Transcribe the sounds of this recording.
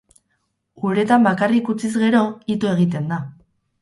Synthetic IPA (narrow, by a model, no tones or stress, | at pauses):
uɾe̞t̪ambakarikut͡sizɣe̞ɾo̞it̪oe̞ɣ̞it̪e̞nd̪a